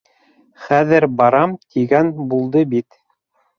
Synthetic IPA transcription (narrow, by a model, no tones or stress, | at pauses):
χæðɘɾbɑɾɑmt̪ʰiɡænbulˠd̪ɤbit̪